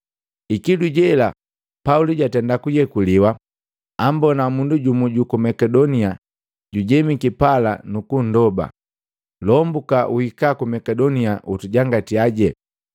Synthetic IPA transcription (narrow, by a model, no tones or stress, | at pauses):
ikiduɟɛla | pauliɟatɛndakujɛkuliwa | ambɔnamunduɟumuɟukumɛkɛdɔnia | ɟuɟɛmikipala̰nukun̩dɔba̰ | lɔmbukaʔuhikakumɛkɛdɔniaʔutuɟaŋɡatiaɟɛ